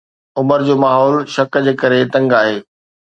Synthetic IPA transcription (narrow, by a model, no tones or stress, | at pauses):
ʊməɾd͡ʑoːmaːɦɔːlʃɐkd͡ʑeːkɐɾet̪ɐ̃ŋɡaːɦeː